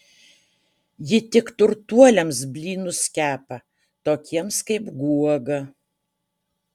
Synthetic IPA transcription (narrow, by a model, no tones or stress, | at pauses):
jɪt̪ʲɪkt̪ʊɾt̪uɔlʲɛmsbʲlʲiːnʊskʲæːpɐ | t̪oːkʲiɛmskɐɪpɡuɔɡɐ